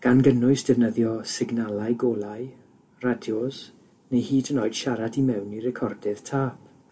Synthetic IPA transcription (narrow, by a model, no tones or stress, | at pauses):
ɡ̥anɡənʊɨsd̥ɛvnəðjɔsɪɡnalˠajɡoːlˠaj | radjɔz̥ | nejhiːdənoːɨd̥ʃaɾadimɛwnirɛkʰɔrdɪð̥tʰaːp